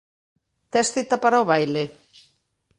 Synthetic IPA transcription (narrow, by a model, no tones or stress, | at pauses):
t̪ɛsθit̪apaɾaoβajle